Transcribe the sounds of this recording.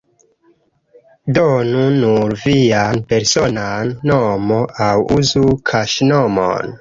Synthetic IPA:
donunuɾvianpe̞ɾso̞nanːomoʔawuzukʰaʃnomo̰n

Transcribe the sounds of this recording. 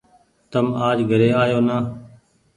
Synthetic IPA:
t̪əmaːd͡ʒɡʱəɾeːaːjoːnaː

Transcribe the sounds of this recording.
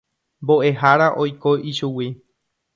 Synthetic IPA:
mbo̞ʔe̞ɦaɾaʔo̞jko̞ʔiʃuwi

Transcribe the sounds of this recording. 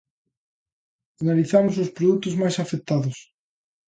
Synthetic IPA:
analiθamʊs̬ospɾoðut̪ʊzmajsafek̚t̪aðʊs

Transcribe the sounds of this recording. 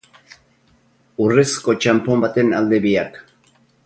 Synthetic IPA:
uresko̞t͡ʃampo̞mbat̪e̞nald̪e̞βiak

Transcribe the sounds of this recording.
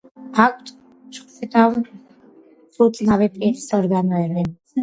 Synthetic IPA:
akʼʰt̪ʼ | t͡ʃʰχsit̪ʰʼawn | χut̪sʼnavɛpʼiɾisɔɾɡanɔɛbɛ

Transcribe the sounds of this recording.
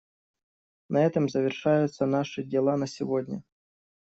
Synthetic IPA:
nɐɛt̪əmzəvʲɪrʂajʊt̪sənaʂɨdʲɪlˠanəsʲɪvodʲnʲə̰

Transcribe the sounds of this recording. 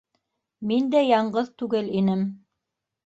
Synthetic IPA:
mind̪æjɑɴɢɤðt̪ʉɡɘlinɘm

